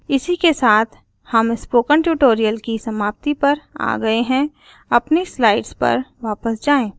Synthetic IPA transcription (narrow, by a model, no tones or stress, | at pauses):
ɪsikesaːt̪ʰ | hɐmɪspoːkə̃ɳʈjuːʈoːɾijəlkisɐmaːp̚t̪ipɐɾa̰ːɡɐeɦɛ̃ | ɐpnislaːɪɖspɐ̰ɾʋaːpəsd͡ʒaːẽː